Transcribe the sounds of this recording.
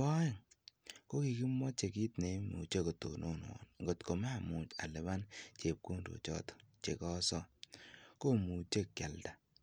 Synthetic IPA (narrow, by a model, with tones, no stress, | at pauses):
ɔ˦e˦˨ŋko˦ki˨ki˦mwɔ˦t͡ʃe˨ki˦tne˨˦mu˨t͡ʃe˦ko˨to̰˨nʔo˨nwɔ̰˨nŋɡo˨tko˨ma˦˨mu˨t͡ʃa̰˨lɛ˨βa˦nt͡ʃe˨p̚ku˦ndo̰˨t͡ʃɔ̰˦tɔ̥˨t͡ʃe˨kɔ˦sɔ˦ko˦mu˨t͡ʃe˦kːʲa˨lda˨